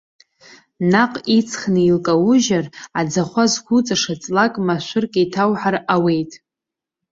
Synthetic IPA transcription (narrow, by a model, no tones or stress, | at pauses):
naqʼit͡sʰχnɨilkʼawʊʒarad͡zaχʷazɡʷʰut͡sʼaʂat͡sʼlakʼmaʃʷʊrkʼejtʰawħarawe̞jtʼ